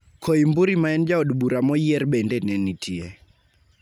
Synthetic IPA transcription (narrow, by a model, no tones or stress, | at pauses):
kʰoimbuɾimaɛnd͡ʒaodbuɾamɔjɛrbɛndɛnɛnitʰiɛ